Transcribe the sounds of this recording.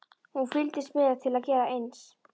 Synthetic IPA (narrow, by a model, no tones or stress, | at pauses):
hunfɪlt̪ɪsmɪðat̪ʰɪlaðcɛːɾaejns